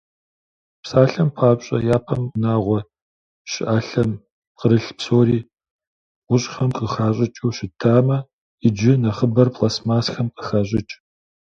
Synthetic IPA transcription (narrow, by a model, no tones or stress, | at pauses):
psaːɬɐmpʰaːpɕʼɐ̰jaːpʰɐmnaːʁʷɔ | ʃɪ̰ʔaːɬɐm | qəɾɨɬpsoːɾiː | ʁʷʊɕʼxɐmqəxaːɕʼɪt͡ʃʼuwɕɪtʰːaːmɐ | ɪd͡ʒɪnɐχəbɐrpʰlaːsmaːsxɐmqəxaːɕ̬ʼɪt͡ʃʼ